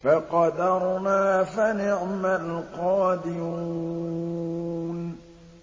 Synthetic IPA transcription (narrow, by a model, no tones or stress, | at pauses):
faqɑd̪ɑɾˤnaːfanɪʕmalqɑːd̪ɪɾuː | n